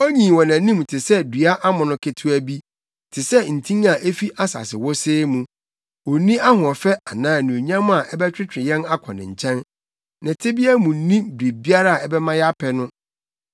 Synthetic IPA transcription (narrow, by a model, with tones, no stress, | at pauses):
ɔ˦ɲĩ˨wɔ˨nã˨nĩ˦m˨tʰɪ˨sɛ˦dɥa˦ʔa˦mʊ̃˨nʊ̃˦kʰe˨tʰu˦æ˦bi˦ | tʰɪ˨sɛ˦n̩˨tʰĩ˦ŋa˨ʔe˦fi˦ʔa˦sa̰˨sɪ˨wɔ˦seː˦mũ˨ | ɔ˨nĩ˦a˦ɦʊ̃˨ɔ˨fɛ˦a˨nãː˦˨nĩ˨o˨ɲã˦m˦a˨ʔɛ˦bɛ˦t͡ɕᶣɾɪ˦t͡ɕᶣɪ˨jɛ̃˦na˦kʷʰɔ̰̃˨nɪ̰̃˨ɲ̩˨t͡ɕʰɛ̃˦n | nɪ̃˨tʰɪ˦bi˦æ˦mũ˨n̩˦nĩ˦bɾi˨bi˦a˦ɾa˦a˨ɛ˦bɛ˦mã˦jɛ˦a˦pʰɛ˨nʊ̃˦